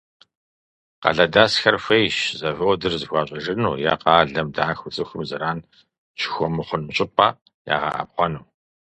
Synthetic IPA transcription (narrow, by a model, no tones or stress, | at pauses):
qɐ̰ɮɐdaːsxɐrfʷejʃzɐvɨwdɨrzɨxʷɑːɕʼɐʒɨnuːja̰ːqɑːɮɐmdaːxʷʊt͡sʼɨxʷʊmzɨɾaːn | t͡ʃʰɪ̥xʷɔmɨχʷʊnmɨɕʼɪpʼa̰ː | ja̰ːʁɐ̰ʔɐ̰p̚χʷɔnuː